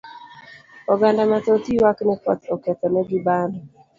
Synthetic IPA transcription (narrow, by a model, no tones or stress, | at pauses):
ɔɡandamat̪ɔt̪iwaknɛpɔ̰t̪ɔkɛt̪ɔnɛɡɪbandɔ